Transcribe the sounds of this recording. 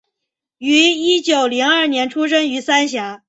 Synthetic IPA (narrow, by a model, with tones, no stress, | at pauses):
y˧˥i˥t͡ɕjo˨˩ʊli˧˥ŋɐ˞˥˩njɛ˧˥nʈ͡ʂʰu˥ʂ̬ə˥ŋy˧˥sa˥nɕja˧˥